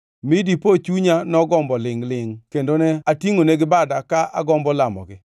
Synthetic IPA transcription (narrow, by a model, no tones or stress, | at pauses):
midipot͡ʃuɲanɔɡɔmbɔlɪŋlɪŋkendonɛatiŋoneɡɪbadakaʔa̰ɡɔmbɔlamɔ̰ɡɪ